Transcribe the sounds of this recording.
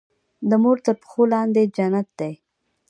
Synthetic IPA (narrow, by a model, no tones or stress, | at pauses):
d̪əmoɾt̪əɾpə̥xolɑnd̪ed͡ʒanat̪̚d̪ej